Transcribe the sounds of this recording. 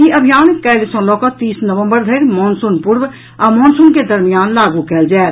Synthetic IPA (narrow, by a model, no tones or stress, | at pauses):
iʔəbʱijaːnkɛːlsə̃ːlɔːkot̪iːsnəʋə̃mbəɾd̪ʱeːɾmɔːnsʊnpʊɾw | amɔ̃ːnsunked̪əɾmijaːnlaːɡukɛːld͡ʒaːe